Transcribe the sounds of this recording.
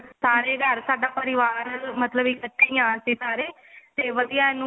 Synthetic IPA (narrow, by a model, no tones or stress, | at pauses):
saːɾeːɡʱəɾsaːɖaːpəɾɪʋaːɾəlmət̪ləbiːkəʈʰːiːjãːsiːsaːɾeː | t̪eːʋəd̪ijaːɪnũ